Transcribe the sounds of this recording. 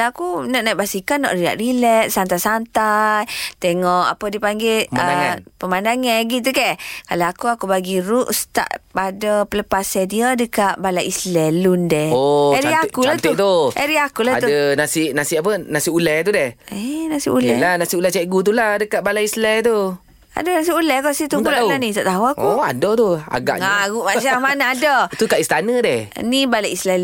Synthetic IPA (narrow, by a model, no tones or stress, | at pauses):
aakunɔʔnajʔbasikanɔ̰ʔrila̰ʔrilɛʔ̪̚sant̪asant̪ajt̪eŋɔʔa̰pədipaŋɡeəmaənaŋanpəmandaŋaɡit̪̬ukakalaakuakubaɡiɾuʔst̪a̰ʔpadəpələpasɛdiadəkaʔbalaʔislɛlundɛhoɛɾakulat̪t̪uʔɛɾiakulaauənasiʔnasiʔap̬ənasiulɛht̪̬udɛhɛnasiʔulɛlanasiʔulɛt͡ʃɛʔɡut̪̬ulahdəkaʔbalaislɛt̪̬u | a̰dənasiulɛkɔsit̪uulaʔanit̪aʔt̪aɦuakua̰dɔt̪ua̰ɡa̰ʔŋaɣuʔmasamanaadət̪ukaʔist̪anədɛhnibalaislɛ